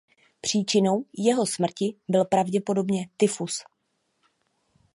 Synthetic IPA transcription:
pr̝̥iːt͡ʃɪno̞wjɛɦo̞smr̩cɪbɪlpɾavɟɛpo̞do̞bɲɛt̪ɪfus

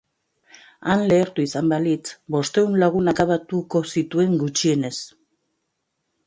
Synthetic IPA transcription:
anle̞ːɾt̪uisambalit͡sbo̞st̪e̞unlaɣ̞unakaβat̪uko̞sit̪ue̞ŋɡut͡ʃie̞ne̞s

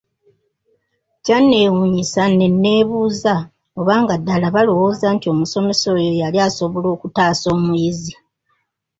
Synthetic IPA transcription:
canːe̞wuɲisanenːe̞ːβuːza | o̞βaːŋɡadːalaβalo̞wo̞ːzantio̞muso̞me̞so̞ːjo̞jaliaːso̞βo̞lo̞ːkutaːso̞ːmujizi

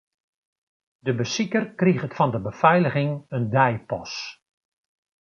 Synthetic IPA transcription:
dəbəsikərkriχətfɔndəbəfɛjləɣɪŋəndɛjpɔs

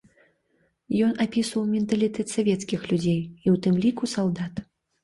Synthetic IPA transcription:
jɔnapʲisvɐwmʲɛnt̪ɐlʲit̪ɛt̪savʲɛt̪skʲixlʲud͡zʲejiwt̪ɨmlʲikusalˠd̪at̪

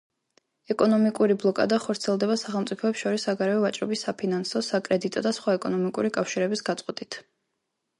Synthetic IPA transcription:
ɛkʼɔnɔmikʼuɾiblˠɔkʼa̰d̪aχɔɾt̪sʰiɛlˠd̪ɛbasaχɛlˠmt̪sʼipʰɔɛpsʃɔɾisːaɡaɾɛɔvat͡ʃʼɾɔ̰bisːapʰinansɔsakʼɾɛd̪it̪ʼɔd̪asχwaɛkʼɔnɔmikʼuɾikʼafʃiɾɛbisɡat̪sʼqʼwɛt̪ʼit̪ʰ

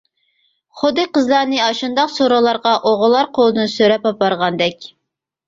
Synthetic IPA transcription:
χʊd̪ɨqəzlˠɑɾnɨɑʃund̪ɑqsoɾolˠɑɾʁɑʔoʁʊlˠːɑɾqʰolˠɨd̪ɨnsøɾɛpɑpɑɾʁɑnd̪ɛkʲ

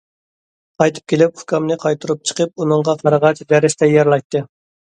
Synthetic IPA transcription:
qɑjt̪ʰɨ̥p̚kʲelɪp̚u̥kɑmnɨqʰɑjt̪ʰuɾup̚t͡ʃʰə̥qəp̚unɨɴʁɑqʰɑɾəʁɑt͡ʃd̪ɛɾɪʃt̪ɛjɑɾlˠɑjt̪ːɨ

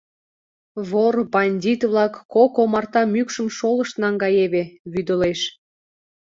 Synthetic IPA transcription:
βorbɑnʲdʲit̪βlɑkːokomɑrt̪ɑmykʃəmʃoləʃt̪nɑŋɡɑjeβeβyd̪əleʃ

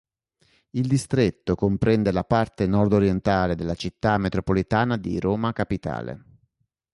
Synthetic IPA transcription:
ild̪ist̪ɾet̪ːokompɾɛnd̪elapart̪enɔrd̪oɾjent̪aːled̪elːat͡ʃit̪ːamet̪ɾopolit̪aːnad̪ḭɾoːmakapit̪a̰ːlḛ

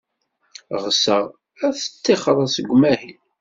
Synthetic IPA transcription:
ʁsə | æθə̥t͡sːeχəɾˤəsəɡʷːmæhin

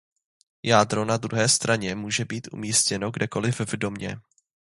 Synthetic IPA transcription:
jaːd̪ɾo̞nad̪ɾuɦɛːst̪ɾaɲɛmuːʒɛbiːt̪ʔṵmiːscɛno̞ɡdɛko̞lɪvvdo̞mɲɛ̰

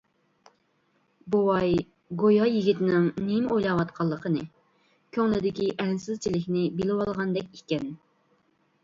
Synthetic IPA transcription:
bowɑj | ɡojɑjiɡʲit̪ɪnɪŋnemojlˠɑwɑt̪qʰɑlˠːəqʰənɨ | kʲʰøŋlɪd̪ɪkʲiʔɛnsɪzt͡ʃʰilɪkʲnɪbilɪwɑlˠʁɑnd̪ɛkʲikʲɛn

